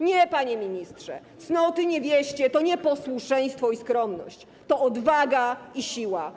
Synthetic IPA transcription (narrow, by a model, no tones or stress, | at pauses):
ɲɛpaɲɛmʲiɲist̪ʂɛ̰t̪snɔt̪ɘɲɛvʲjɛɕt͡ɕɛt̪ɔɲɛpɔswuʂɛj̃st̪fɔiskɾɔmnɔ̰ɕt͡ɕ | t̪ɔɔd̪vaɡaiɕiwa